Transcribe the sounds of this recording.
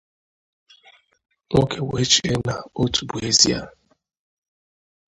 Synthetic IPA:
ŋʷo˦kʰe˨we˦t͡ʃi˨e˦na˨o˦tʰu̥˨bu˨e˦zi˦a̰˦

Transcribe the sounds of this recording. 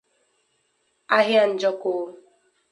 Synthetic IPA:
a˦ɦja˦n̩˨d͡ʒɔ˦koː˨˦

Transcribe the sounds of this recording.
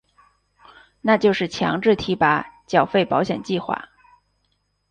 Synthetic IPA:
na˥˧t͡ɕjo˥˧ʊʂɻ̩˥˩t͡ɕʰjɑ̰˧˥ŋʈ͡ʂɻ̩˥˩t̪ʰi˧˥pa˧˩˦t͡ɕjɑ˨˩ʊfe˥˩ɪpɑ˧˥ʊɕjɛ˨˩nt͡ɕi˥˧xwa̰˥˩

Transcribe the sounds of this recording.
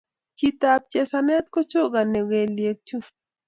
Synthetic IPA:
kit̪ab̚t͡ʃe˨sanɛ˦t̪̚ko˦t͡ʃo˦ɡa˨nːe˨we˨lje˨k̚t͡ʃu˦

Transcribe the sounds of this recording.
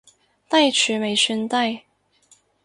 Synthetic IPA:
t̪a˥˩ɪt͡ʃʰy˧˥me˨˩ɪɕy˥nt̪a˥˧ɪ

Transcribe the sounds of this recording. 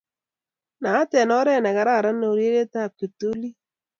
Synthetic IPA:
na˨˦tɛ˨nɔ˦ɾɛ˦˨na˨ɣa˨ɾa˦˨ɾa˦no˦˨ɾje˦ɾe˦ta˦˨ke˨to˦li˦

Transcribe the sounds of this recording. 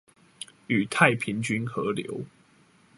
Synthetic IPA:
y˨˩t̪ʰa˥˨ɪpʰi˨˦nt͡ɕy˦nxɤ˨˦ljo̰˧˦ʊ

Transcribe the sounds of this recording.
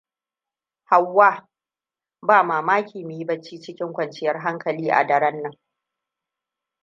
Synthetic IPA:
ha˨wːaː˦ | baː˦˨maː˨maː˦kʲʰiː˨mɪ˨ji˦bɐ˦t͡ʃːiː˦t͡ʃɪ˦kʲɪ˦ŋkʷɐ˨nt͡ʃɪ˦jɐ˦rɦa˦ŋkɐ˨liː˦ʔa̰˨dɐ˨ɾɐ˦nːɐ˦ŋ

